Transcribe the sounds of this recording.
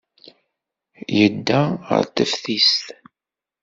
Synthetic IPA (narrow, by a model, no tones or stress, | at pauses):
jəd̪ːæʁə̰ɾt̪əfθist̪